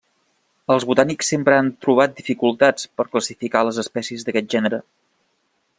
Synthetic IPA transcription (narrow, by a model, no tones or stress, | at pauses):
əlˠzβut̪aniksːempɾəant̪ɾuβ̞at̪̚d̪ifikulˠt̪at͡spəɾkləsifikaləzəspɛsiəzðəkɛt̪̚ʒɛnəɾə